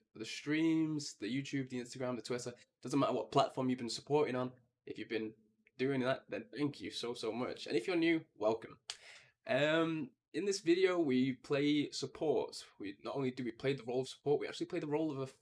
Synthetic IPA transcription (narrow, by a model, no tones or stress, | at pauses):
ðɨstɹ̥ĩmzðɨjʉtʰʉb̚ðiɪ̃nstəɡɹæ̃mðətʰw̥ɪɾə˞d̥ʌzə̃nmaɾə̰wʌt̚pʰl̥atfɔɹmjɨvbɨ̃nsəpʰɔɹɾɪ̃ŋə̃n | ʔɨfjɨvbɨ̃n | d̥ʉɪ̃ŋðət̚ðɨ̰̃nθæ̃ŋkʰjʉ̰soʊsoʊmʌ̰t͡ʃɨ̰̃nɨfjə˞njʉwɛlˠkə̃m | ʔʌ̃m | ɨ̃nðɪsvɪɾioʊwipʰl̥eɪsəpʰɔɹtwinə̰ɾõʊ̃nlidɨwipʰl̥eɪðəɹoʊlˠʌv̥sə̥pʰɔɹʔ̚wia̰k̚t͡ʃʉl̩ˠipʰeɪðəɹoʊlˠʌvə